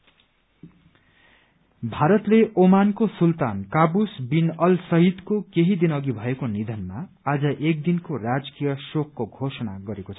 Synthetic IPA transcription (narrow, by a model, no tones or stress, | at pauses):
bʱaɾʌt̪leʔomankosult̪ankabusbinʌlsʌɦit̪kokeɦid̪inʌɡibʱʌekonid̪ʱʌnma | ad͡zʌʔek̚d̪inkorad͡zkijʌsokːoɡʱosʌna̰ɡʌɾekot͡sʰʌ